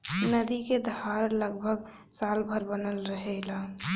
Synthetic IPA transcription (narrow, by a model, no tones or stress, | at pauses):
nəd̪iked̪haɾləɡbʱəɡ | salbʱəɾbənəlɾəɦɛla